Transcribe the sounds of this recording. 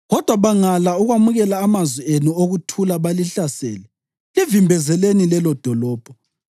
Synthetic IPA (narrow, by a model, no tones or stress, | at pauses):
ɣɔd̥ʱwaβaŋalauɣwamuɣɛlaːmazwienuoɣutʰulaβaliɬasɛ̰ːlɛ | livimbʱɛzɛlenilɛlɔd̥ʱɔlɔːb̥ʱɔ